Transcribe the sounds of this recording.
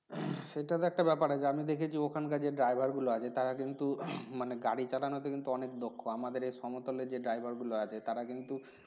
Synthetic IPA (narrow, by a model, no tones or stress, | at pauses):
ʃeʈat̪oɛk̚ʈabɛpaɾat͡ɕʰeamid̪ekʰet͡ɕʰiokʰankad͡ʑeɖɾajbʱaɾɡuloat͡ɕʰet̪aɾakint̪umaneɡaɽit͡ɕalanot̪okint̪uɔnekd̪okʰːoamad̪eɾejʃɔmot̪oleɾd͡ʑeɖɾajbʱaɾɡuloat͡ɕʰet̪aɾakint̪u